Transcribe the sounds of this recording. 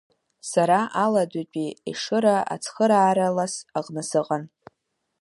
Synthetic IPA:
saɾaʔaladʷat͡pʼiḭʂɨɾaʔa̰t͡sʰχəɾaːɾalasaqnasɨqʼan

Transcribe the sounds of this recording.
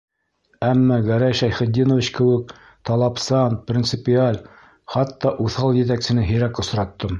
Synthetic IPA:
æmːɑɡæɾæjʃæjχɘ̆d̪inovʲit͡ɕkɘ̆wɘk̚ | t̪ɑlˠɑpsɑnprʲint̪sɘpʲɪalʲ | χɑt̪ːɑʔuθɑlˠjɘ̆t̪̬æksɘ̆nɘɦɘ̆ɾækŏsɾɑt̪ːɤm

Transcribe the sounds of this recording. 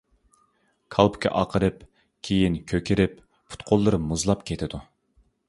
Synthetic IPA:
kʰɑlˠpʰʊ̥kʲʰɛ̰ʔɑqʰəɾɨp | kʲʰejinkʲʰøkʲʰɪɾɪp | pʰu̥t̪qʰolˠːɨɾɨmuzlˠɑpkʲʰet̪ʰɪd̪u

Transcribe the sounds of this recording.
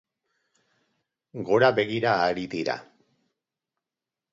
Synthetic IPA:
ɡo̞ɾaβe̞ɣiɾaːɾiðiɾa̰

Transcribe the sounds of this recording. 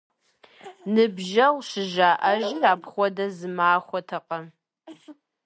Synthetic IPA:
nɨbʒɐwʃɪʒaːʔɐʒiaːpχʷɔdɐzɨmaːχʷɔtʰɐqɐ

